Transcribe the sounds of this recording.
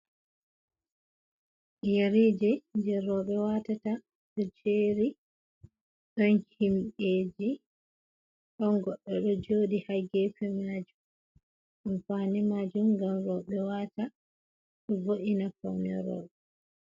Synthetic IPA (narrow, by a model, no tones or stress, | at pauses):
jeɾid͡ʒɛd͡ʒɛɾɔɓɛwatata | ɗɔt͡ʃeːɾi | ɗɔnhimɓeːd͡ʒi | ɗɔnɡɔɗːɔɗɔd͡ʒoːdihaɡɛfɛmaːd͡ʒum | ʔɔnfaːnɛmad͡ʒumɡamɾɔɓɛwata | ɗɔvoʔinafawnɛ̰ɾɔ̰ːɓɛ